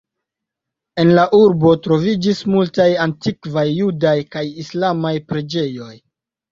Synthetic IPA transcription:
e̞nlaʔuɾbo̞tɾo̞vid͡ʒismultajantikvajːudajkajislamajpɾe̞d͡ʒe̞jo̞j

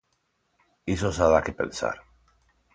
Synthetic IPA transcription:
esosaðakepẽ̞̰nsa̰ɾ

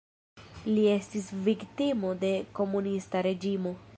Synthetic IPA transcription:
lie̞stisviktimo̞de̞ko̞munistaɾe̞d͡ʒimo̞

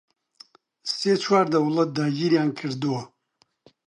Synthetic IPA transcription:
set͡ʃwaːɾd̪ɐwlɐt̪̚d̪aːɡiɾjaːnkʰɨɾd̪uwo

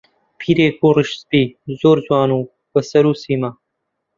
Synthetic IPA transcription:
pʰiːɾeːkoːɾɪʃstiːzoːɾzwaːnũː | pɐsɐɾuːsiːmaː

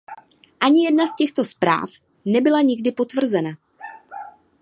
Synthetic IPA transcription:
ʔaɲɪjɛdnascɛxt̪o̞spɾa̰ːf | nɛbɪlaɲɪɡdɪpo̞t̪vr̩zɛna

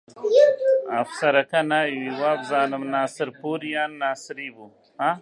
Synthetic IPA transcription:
afsɐɾɐkɐnawiwaːbzaːnɐmnaːsɪɾpuːɾijaːnːaːsɾibu | ã

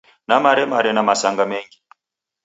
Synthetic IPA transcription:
namaɾɛmaɾɛnamasaŋɡamɛŋɡi

